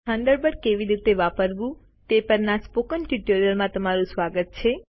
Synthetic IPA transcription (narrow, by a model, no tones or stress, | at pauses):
ãnd̪əɾbəɽkeʋiɾit̪eʋapəɾʋũ | t̪epəɾnaspokənʈiʈoɾijəlmãt̪əmaɾũsʋaɡət̪̚t͡ʃʰe